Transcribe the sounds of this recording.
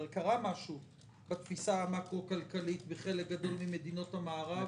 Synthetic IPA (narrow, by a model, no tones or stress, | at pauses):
ʁkaʁamaʃu | bat̪fisaamakʁo̞kalkalitveχe̞lek̚ɡado̞lmime̞d̪ino̞thamaːʁa